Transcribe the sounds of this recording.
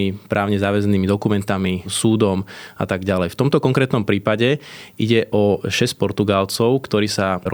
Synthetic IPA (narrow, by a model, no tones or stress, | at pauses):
ipɾʔaːʊɲɛzaːʋɛzniːmid̪ɔkumɛnt̪amisuːd̪ɔmʔa̰t̪aɡɟalɛjft̪ɔmt̪ɔkɔŋkɾɛːt̪nɔmpɾiːpaɟɛḭɟɛʔɔʃɛsc̚pɔɾt̪uɡalt͡sɔʊkt̪ɔɾiːsaɾɔ